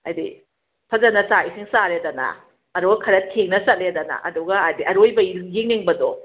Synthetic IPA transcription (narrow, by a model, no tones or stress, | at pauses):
ɐa̰jdḭ | pʰɐzɐnɐsaisiŋsaɾedɐnɐ̰ | ɐduɡɐkʰɐɾɐt̚kʰeŋnɐsɐtledɐnɐ̰ʔɐ̰duɡɐːjdiʔɐɾojbɐjiŋniŋbɐdɔ